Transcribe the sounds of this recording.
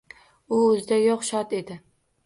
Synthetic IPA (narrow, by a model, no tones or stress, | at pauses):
ʊːzɪd̪ajoqʃɒt̪e̞d̪ɪ